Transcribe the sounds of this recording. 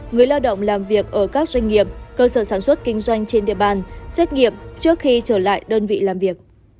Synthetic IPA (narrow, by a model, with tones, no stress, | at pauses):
ŋɨ˨˩əjlaː˧wɗə̰˧˨wŋ͡mlaː˨˩mvi˨˩ək̚ʔəː˧˩kaː˦˥k̚zwa˧jŋ̟ŋi˨˩əp̚kəː˧səː˧˩saː˧˩nswə˦˥t̚kï˧ŋ̟zwa˧jŋ̟t͡ɕe˧nɗḭ˧˨əɓaː˧˩nsɛ˦˥t̚ŋi˧˨əp̚t͡ɕɨ˦˥ək̚xi˧t͡ɕəː˧˩la̰ː˧˨jɗəː˧nvḭ˧˨laː˨˩mvi˨˩ək̚